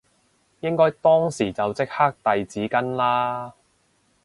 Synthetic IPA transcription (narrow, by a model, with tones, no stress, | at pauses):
jɪ˥ŋkɔː˥jt̪ɔː˥ŋsiː˨˩t͡sɐ˨wt͡sɪ˥k̚haː˥k̚t̪ɐ˨jt͡siː˨˥kɐ˥nlaː˥